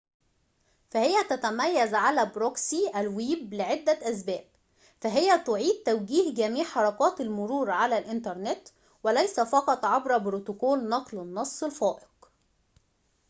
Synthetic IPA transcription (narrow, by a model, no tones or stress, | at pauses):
fæhɪjæt̪æt̪æmæjːæzʕalæːbɾoksiʔælwiːblɪʕed̪ːæʔæs̬bæːb̚ | fæɦɪjːæt̪ʊʕiːd̪̚t̪æwɡiːhɡæmiːʕħɑɾˤɑkɑːt̪ɪlmʊɾuːɾʕalælʔɪnt̪ɑɾˤnɪt̪ | wælæjsæfɑqɑt̪ˤʕɑbɾˤɑbɾot̪okoːlnɑqlɪnːɑsˤːelfɑːʔɪq